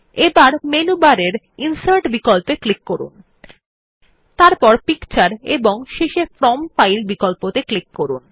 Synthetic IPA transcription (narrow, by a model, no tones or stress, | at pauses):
ebaɾmenubaɾeɾ | insaɾʈbikolpeklikːoɾṵn | t̪aɾpɔɾpikt͡ɕaɾḛboŋʃeʃefɾɔmfajlbikɔlpot̪eklikːoɾṵn